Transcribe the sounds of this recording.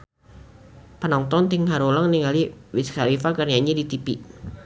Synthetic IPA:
pənɔŋt̪ɔnt̪ɪŋhaɾolaŋniŋaliwɪskaɾifakərjaɲidit̪ipiʔ

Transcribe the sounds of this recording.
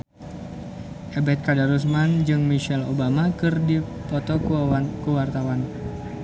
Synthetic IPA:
ʔɛbɛt̪̚kadaɾus̬mand͡ʒɨŋmiʃɛlo̰bamakɨrdipɔt̪ɔkuakuwart̪awan

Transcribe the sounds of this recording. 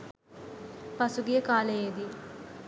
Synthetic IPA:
pɐsuɡijɐkaːlɐjeːd̪i

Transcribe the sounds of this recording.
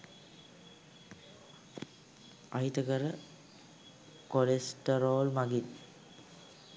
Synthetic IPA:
a̰it̪əkəɾə | koɾesʈəɾoːlmaɡin

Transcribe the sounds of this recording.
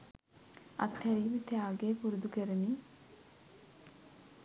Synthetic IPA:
a̰t̪hæɾiːmet̪eaːɡeːpuɾud̪ukeɾeniː

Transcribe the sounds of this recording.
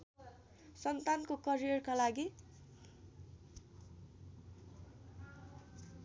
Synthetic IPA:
sʌnt̪ankokʌrijʌrkalaɡi

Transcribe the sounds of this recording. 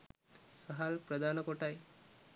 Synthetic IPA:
səɦalpɾəd̪ʱanəkoʈaj

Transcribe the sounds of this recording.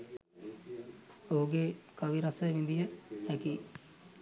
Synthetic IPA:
oɦuɡekəʋiɾasəʋind̪ijəhɛki

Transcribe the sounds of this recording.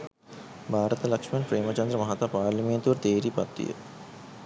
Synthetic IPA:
bʱaːɾɐt̪ɐlɐkʂmijɐnpɾeːmɐt͡ʃɐnd̪ɾɐmɐɦɐt̪ːɐpaːlɐmijɐnt̪uʋɐɾt̪eːɾipɐ̰t̪ːḭjə̰

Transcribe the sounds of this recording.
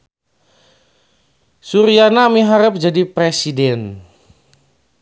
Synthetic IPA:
suɾianamiɦaɾəp̚d͡ʒadipɾesidɛn

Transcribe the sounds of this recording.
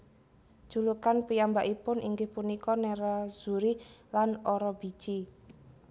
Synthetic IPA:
d̥ʒ̥ulukanpijambaʔipʊnʔiŋɡɪhpunikɔnɛɾaz̥uɾilanɔɾɔb̥i̥t͡ʃi

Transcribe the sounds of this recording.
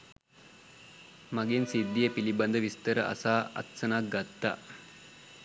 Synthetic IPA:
mɐɡensid̪ːijəpilibɐnd̪əʋist̪əɾəʔɐ̰saːʔɐ̰t̪sɐnak̚ɡɐt̪ːa̰

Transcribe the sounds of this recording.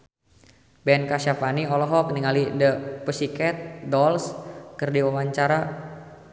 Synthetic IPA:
bɛnkaʃapaniɔlɔɦɔkəniŋalidəpəsikɛt̪̚dɔlskɨrdiwawaɲt͡ʃaɾa

